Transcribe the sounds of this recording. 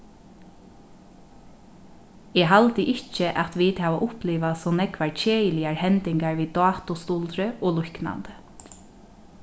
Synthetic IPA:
ɛːɦalt̪əʔɪt͡ʃəʔat̪ʋiːt̪hæːʋaʔʊhpliːʋasɔnɛkʋaɹt͡ʃʰeːjəlɪaɹhɛnt̪ɪŋkaɹʋiːd̪ɑːt̪ʊst̪uːlt̪ɾəʔɔːlʊhkna̰nt̪ə̥

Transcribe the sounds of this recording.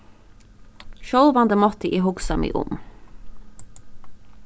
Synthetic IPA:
ʃœlʋɑnd̪əmɔt̪əʔiːhʊɡsɑmḭːʔʊ̰m

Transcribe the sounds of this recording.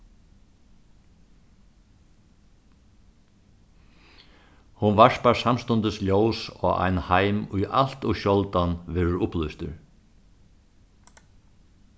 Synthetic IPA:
hʊnvaʂpaɹsamst̪ʊnt̪ɪsljɔːwsɔːa̰jnhajmʊjʔa̰l̥t̪ʊʃɔlt̪anʋɛːɾʊɾʊplʏst̪ʏ̰ɾ

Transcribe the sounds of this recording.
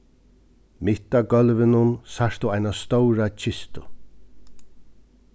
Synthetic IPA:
mɪt̪aɡœlʋɪnʊnsaʂt̪ʊajnast̪ɔwɾat͡ʃʰɪst̪ʊ

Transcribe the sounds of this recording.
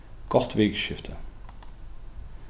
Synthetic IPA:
kɔχtʋeːkəʃɪftʰə

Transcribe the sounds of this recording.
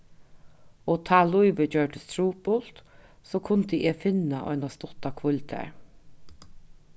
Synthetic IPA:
oːt̪ʰɑːlʊʏʋəd͡ʒœːʈəst̪ɾuːpʊlt̪soːkʰʊnt̪əʔeːfɪnɑʔœ̰ʏnɑst̪ɔt̪ɑkʰʋʊlɪt̪ʰæ̰ːɹ

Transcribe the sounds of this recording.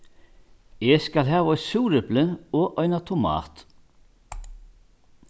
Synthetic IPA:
ɛskalɦæːvaɔjt̪suːɾɪplɪɔʔɔjnat̪ʰʊma̰ːt̪

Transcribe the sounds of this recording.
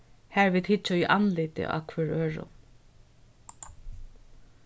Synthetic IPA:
hæːɹviːt̪hɪt͡ʃːaʏʔanlɪːt̪ɪ̰ʔa̰ːkʰvœːɹøːɹʊ̰

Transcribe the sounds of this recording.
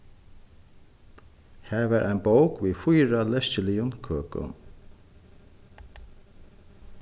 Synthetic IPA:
hæːɹvæːɹʔa̰jnbowkviːfʊjɹalɛscɪlɪjʊnkʰøːkʊ̰n

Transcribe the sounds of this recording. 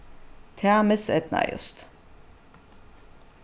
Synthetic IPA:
t̪ʰamɛsɛt̪ʰna̰jo̰st̪

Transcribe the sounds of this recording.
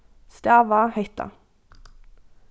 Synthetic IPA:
st̪æʋɑːheɪt̪ɑ̰

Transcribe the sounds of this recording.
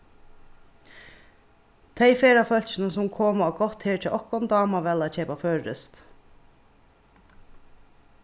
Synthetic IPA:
t̪ʰejfeːɾafœl̥t͡ʃɪnəsʊmkʰoːmaɡɔht̪heːɹtʰɛʔɔhkɔnd̪ɑːmaʋɛlat͡ɕʰɛːpaføːɹɾɪ̰st̪

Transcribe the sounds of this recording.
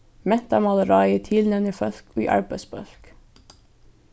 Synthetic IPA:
mɛt̪ɑmɑləɾɑɪit̪ʰɪlnɛʋnifœθkoːḭːʔɑ̰ɹbəsbœ̰lk

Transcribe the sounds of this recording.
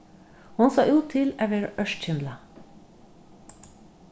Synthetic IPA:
hʊnsɑ̰ːʔʉːt̪ʰːɪlɛʋəɾœʃc͡çɪnd̪lə

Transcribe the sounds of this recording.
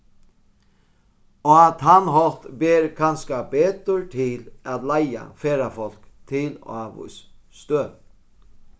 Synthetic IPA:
ɔat̪ɦanɦɔlt̪beːɾkʰanskabeːt̪əɾt̪ʰɪlat̪laja̰feːɾafɔl̥kt̪ʰɪl̰aːʋʊ̰sst̪øː

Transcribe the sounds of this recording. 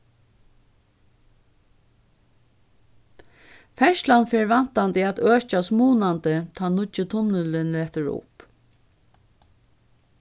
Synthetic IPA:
fɛʃlanfɛːɹʋan̥t̪ant̪iæt̪øːt͡ʃasmuːnant̪ət̪ʰaːnʊt͡ʃɪt̪ʰʊnəlɪnleːt̪ʏɾʊ̰p

